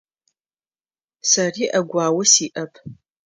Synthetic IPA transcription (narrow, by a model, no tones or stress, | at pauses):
sɐriːʔɐɡʷaːwɐsiːʔɐpʰ